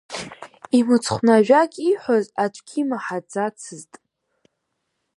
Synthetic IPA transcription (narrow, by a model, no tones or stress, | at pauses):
imɨt͡sʰχʷnaʒᶣakʲʼiħʷozatʷʰʼkʲʰimaħad͡zat͡sʰɨztʼ